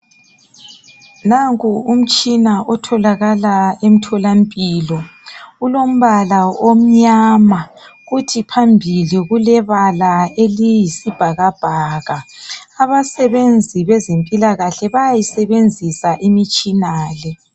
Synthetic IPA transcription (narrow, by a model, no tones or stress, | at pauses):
naŋkʰuum̩t͡ʃʼinaʔɔtʰɔlaɣalaem̩tʰɔlampʼiːlɔulom̩βalaom̩ɲaːmaɣutʰipʰambʱiliɣulɛβalaelijisib̥ʱaɣab̥ʱaɣaːβasɛβend͡zʱiβɛzempʼilaɣaɬɛβajajisɛβend͡zʱisaʔimit͡ʃʼinaːlɛ